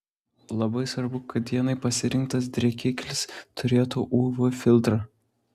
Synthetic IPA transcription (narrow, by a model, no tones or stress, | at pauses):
lˠɐbɐɪsʋɐɾbʊkʰɐt̪jʲiɛnɐɪpɐsʲɪɾʲɪŋk̚t̪ɐs̬d̪ʲɾʲɛkʲɪːkʲlʲɪst̪ʰʊɾʲeːt̪uʔuːʋʊfʲɪlʲˠt̪ɾɐ